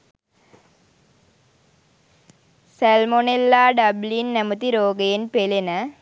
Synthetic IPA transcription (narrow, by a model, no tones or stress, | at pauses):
sælmonelːaːɖɐblinːæmut̪iɾoːɡɐjenpelenə